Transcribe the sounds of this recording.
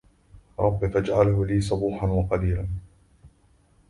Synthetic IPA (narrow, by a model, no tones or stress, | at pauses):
ɾˤɑbːɪfad͡ʒʕalhʊliːsˤʊbuːħanwɑqɑliːlan